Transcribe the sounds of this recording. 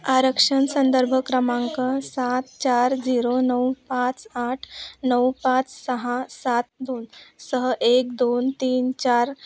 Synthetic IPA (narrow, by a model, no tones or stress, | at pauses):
aɾəkʂənsənd̪əɾbʱəkɾəmãŋkəsat̪t͡ɕaɾd͡ziɾonəwpat͡saʈʰnəwpat͡ssəɦãsat̪̚d̪onsəɦəʔek̚d̪ont̪iːnt͡ɕaɾ